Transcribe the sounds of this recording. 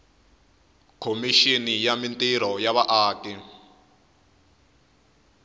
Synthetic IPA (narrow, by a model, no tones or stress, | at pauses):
kʰomiʃinijamintʼiɾɔjaβaʔaːki